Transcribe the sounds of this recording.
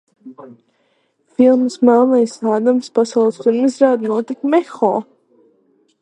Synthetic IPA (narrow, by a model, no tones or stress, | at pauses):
filˠmɨsmalˠnajsaːd̪amspasawlˠsp̪iɾmɨzɾaːd̪nuɔt̪ikmɛxɔ̰ː